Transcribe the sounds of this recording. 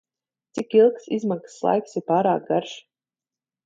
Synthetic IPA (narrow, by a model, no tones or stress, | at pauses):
t̪sikilˠksizmakslˠa̰jksiɾpaːɾaːk̚ɡaɾʃ